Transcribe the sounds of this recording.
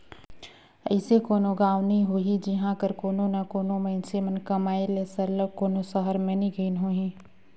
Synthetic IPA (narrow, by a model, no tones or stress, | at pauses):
əɪsekoːnoɡaːʋnĩɦoːɦid͡ʒɪɦãkəɾkoːnonakoːnoməɪnsemənkəmaːeleːsəɾləɡ̚koːnosəɦəɾmẽnĩɡʱəɪnɦoːɦĩ